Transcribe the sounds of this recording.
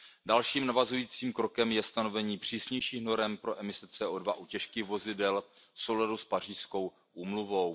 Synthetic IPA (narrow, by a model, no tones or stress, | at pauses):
dalʃiːmnavazujiːt͡siːmkɾo̞kɛmjɛst̪ano̞vɛɲiːpr̝̥iːsɲɛjʃiːxno̞ɾɛmpɾo̞ʔɛmɪsɛt͡sɛːʔoːdvaʔucɛʃkiːxvo̞zɪdɛlfso̞wladuspar̝iːsko̞w | ʔuːmluvo̞w